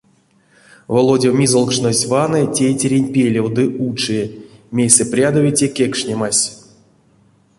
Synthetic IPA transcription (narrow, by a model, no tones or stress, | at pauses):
volˠodʲewmʲizolˠkʂnosʲvanɨtʲejtʲeɾʲenʲpʲelʲewd̪ɨʔut͡ʂɨmʲejsɛprʲad̪ovʲitʲekʲekʂnʲemasʲ